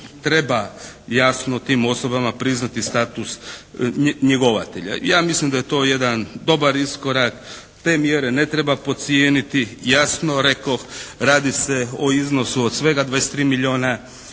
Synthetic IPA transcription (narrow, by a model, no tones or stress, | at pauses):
t̪ɾe̞bajasnot̪iːmo̞so̞bamapɾiznat̪ist̪aːt̪us | ɲeɡo̞ʋa̰t̪eʎa̰jaːmislimd̪ajet̪o̞ːje̞d̪and̪o̞baɾisko̞ɾak | t̪e̞ːmjeɾe̞ne̞t̪ɾe̞bapo̞t̪sjeːnit̪ijasno̞ɾe̞koxɾaːd̪iseoizno̞suod̪sʋe̞ɡad̪ʋaese̥t̪ɾiːmiʎʲioːna